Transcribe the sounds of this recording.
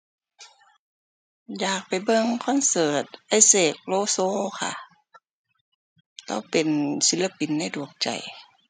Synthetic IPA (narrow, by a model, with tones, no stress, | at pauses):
jaː˨˩k̚pa˨jbɤ˧˥˨ŋkʰɔ˧˥˨nsɤː˨˩t̪̚ʔa˧˥˩jseː˧˩k̚loː˧˦soː˧˥˨kʰa̰˧˩ | t̪ɔ̰˧˥˩pe˨nsi˧˦la˧pi˨nːa˧˨du˨˩ək̚t͡ɕa̰˨˩j